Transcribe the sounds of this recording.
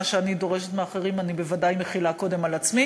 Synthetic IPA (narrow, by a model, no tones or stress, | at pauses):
ʃeanido̞ʁeʃet̪meaχeʁimanibevadajmeχilako̞de̞malat͡smi